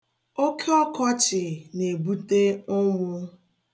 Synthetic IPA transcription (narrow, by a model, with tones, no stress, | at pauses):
o˦kʰe˦ɔ˦kɔ˦t͡ʃɪ˨ne˨bu˦te˦ʊ˦ŋʷʊ˦